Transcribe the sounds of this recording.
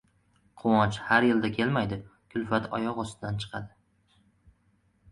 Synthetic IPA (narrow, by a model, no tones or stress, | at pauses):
qʰʊwɒnt͡ʃhaɾjɪld̪akʲʰe̞lmajd̪ɪkʲʰʊlfat̪ʰɒ̰jɒqɒst̪ɪd̪ant͡ʃʰɨ̥qʰɑ̰d̪ɪ